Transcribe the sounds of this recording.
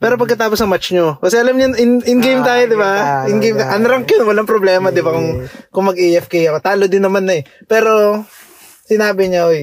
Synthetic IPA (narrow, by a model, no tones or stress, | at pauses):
pɛːɾo̞p̬ɐɡkɐt̪aːposɐŋmat͡ʃɲokɐsɛʔɐlɐmɲanʔɪnʔɪŋɡejmt̪aːjod̪ɪbaʔɪŋɡejmaʔɐnoɾɐŋkjonwɐlaŋpɾoblɛːmɐd̪ɪbakʊŋkʊŋmɐɡʔiʔɛfkɛjɐkot̪aːlod̪ɪnːɐmanːɐɛ | pɛːɾo̞ | sɪnaːbɪɲɐʔoj